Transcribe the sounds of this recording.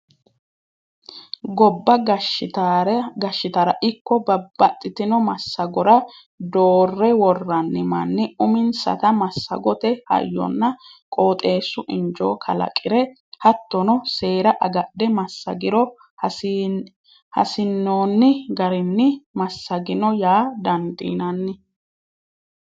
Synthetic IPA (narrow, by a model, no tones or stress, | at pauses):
ɡɔbːɐɡɐɪt̪ːɾɡɐʃːɪt̪ɐɾɐʔɪkːɔbɐbɐt̪ʼːɪt̪ɪnɔmɐsːɐɡɔɾɐ | d̪oːrːɛwɔrːɐnːɪmɐnːɪʊmɪnsɐ̰t̪ɐmɐsːɐ̰ɡɔt̪ɛhɐ̰jːɔ̰nːɐkʼoːt̪ʼe̞ːsːʊʔɪnd͡ʒo̰ːkʰɐ̰lɐ̰kʼːɪɾɛ | hɐt̪ːɔnɔse̞ːɾɐʔɐɡɐɗɛmɐsːɐ̰ɡɪɾɔ | hɐ̰sɪnːoːnːɪɡɐɾɪnːɪmɐsːɐɡɪnɔjaːd̪ɐnd̪ḭːnɐnːɪ